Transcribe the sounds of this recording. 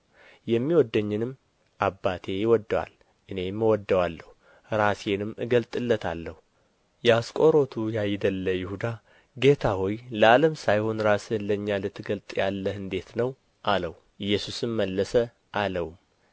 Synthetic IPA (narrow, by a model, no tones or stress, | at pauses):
jɛmːiwɔd̪ːəɲːɪnɨmː | ʔabːat̪ʰe̞jɪwɔd̪ːwa̰l | ʔɨne̞mːəwɔd̪ːəwalːəhu | ɾasenɨmːɨɡəlt̪ʼɨlːət̪ʰalːəhu | jɛaskʼoɾo̞t̪ʰujajd̪əlːəjɪhud̪a | ɡe̞t̪ʰahojləaləmsajho̞nɾasɨləɲːalɨt̪ʰːɨɡəlt̪ʼjalːəhɨnd̪e̞t̪nəw | ʔaləw | ʔɨjːɛsusɨmːəlːəsə | ʔaləwm